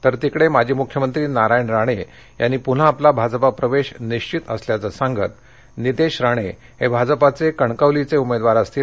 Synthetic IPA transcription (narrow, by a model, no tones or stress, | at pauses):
t̪əɾt̪ikɽemad͡ʑʱiːmukʰjəmənt̪ɾiːnaɾajɳɾaɽ̃e | janːiːpun̤aːplabʱad͡zpapɾəʋeɕniɕt͡ɕit̪ə̰sljat͡səsãŋɡə̰t̪̚ | nid̪eɕɾaɽ̃e | hebʱad͡zəpat͡sekəɳkəʋlit͡seumed̪ʋaɾəst̪iː